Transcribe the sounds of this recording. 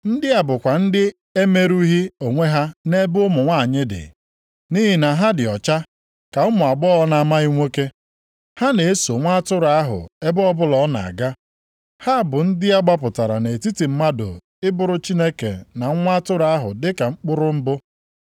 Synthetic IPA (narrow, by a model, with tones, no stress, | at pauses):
n̩˦dɪ˦a˨bʊ˨kʷa˨n̩˦dɪ˦ | e˦me˦ɾu˦i˦ɦi˦o˨ŋʷe˦ɦa˦ne˦bʊ˦mʊ˨ŋʷa˦˨ɲɪ˦dɪ̰˨ | ni˦ɦi˨na˨ɦa˦dɪ˨ɔ˨t͡ʃa˦ | ka˨ʊ˦mʊ˨a˨ɡ͡bɔ˦ɔ˦na˨˦˨ma˦i˦ŋʷe˦ke˦ | ha˦ne˨e˦so˨ŋʷa˦tʊ˦ɾa˦ɦʊ̰˨e˦bɔ˦bʊ˦lɔ˦na̰˨a̰˨ɡa˦ | ha˦˨bʊ˨n̩˦dɪ˦a˦ɡ͡ba˦pʊ˨ta˨ɾa̰˨ne˨e˨ti˦ti˨m̩˦ma˦dʊ̰˨ | ɪ˦bʊ˦ɾʊ˦t͡ʃi˦ne˦kḛ˨na˨˦ŋʷa˦tʊ˦ɾa˦ɦʊ̰˨dɪ˦ka˨ŋ͡m̩˦k͡pʊ˦ɾʊ˦m̩˦bʊ˦